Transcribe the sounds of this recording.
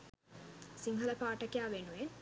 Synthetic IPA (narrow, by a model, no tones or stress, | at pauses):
siŋɡʱɐlɐpaːʈːɐkːejaːʋenujen